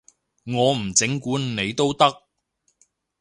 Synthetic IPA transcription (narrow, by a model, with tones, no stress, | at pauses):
ŋɔː˨˧m̩˨˩t͡sɪ˨˥ŋkuː˨˥nne˨˧jt̪o˥wt̪ɐ˥k̚